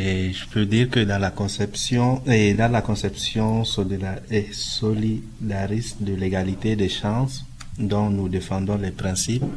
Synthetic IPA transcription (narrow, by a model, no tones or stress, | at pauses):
eʒəpød̪iʁkəd̪ɑ̃lakɔ̃sɛpsjɔ̃ed̪ɑ̃lakɔ̃sɛpsjɔ̃solid̪aɛsoli | d̪aʁisd̪əleɡalit̪ed̪ɛʃɑ̃s | d̪ɔ̃nud̪efɑ̃d̪ɔ̃lɛpʁɛ̃sip